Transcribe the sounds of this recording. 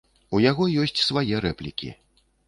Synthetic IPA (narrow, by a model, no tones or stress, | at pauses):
ujaɣɔjɔsʲt͡sʲsvajɛɾɛplʲikʲḭ